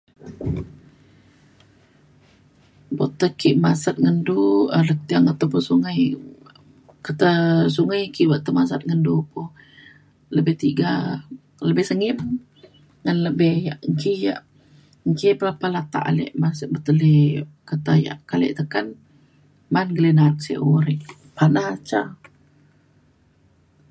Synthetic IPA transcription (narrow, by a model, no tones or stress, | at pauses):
bot̪əkiʔmasat̪̚ŋənduələk̚t̪iaŋat̪apʊsuŋaj | kət̪as̬uŋajkiʔwaʔt̪əmasat̪̚ŋəndupʊh | ləbɛht̪iɡa | ləbɪhsəŋɪm | ŋanləbɛhjaʔŋkija̰ʔ | ŋkipəlapalat̪a̰ʔa̰lɛ̰ʔmasʔbət̪əlekət̪aja̰ʔkalɛ̰ʔt̪əkan | manɡəlenat̪̚sḛʔuɾiʔ | panahat͡ʃa